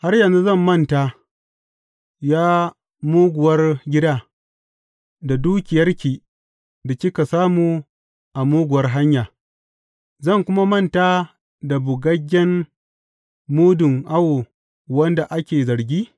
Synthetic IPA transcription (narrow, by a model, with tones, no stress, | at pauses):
ha˦rjɐ˨nzu˦zɐ˦˨mːɐ˦˨nta˨ | jaː˦ | muː˦ɡʷʊ˨wɐ˦rɡʲɪ˦daː˦ | da˨duː˦kʲɪ˨jɐ˦rkʲiː˨ | da˨t͡ʃʲɪ˦ka˨saː˦muː˦ | ʔa˨muː˦ɡʷʊ˨wɐ˦rɦa˦ɲjaː˨ | zɐ˦˨ŋkʷʊ˦ma˦mɐ˦˨ntaː˦ | da˨bʊ˨ɡɐ˦ɡʲːɛ˦n | muː˦dʊ˨ŋʔa˦wo˨ | wɐ˦nda˨ʔa˦kʲeː˨zɐ˨ɾɡʲiː˦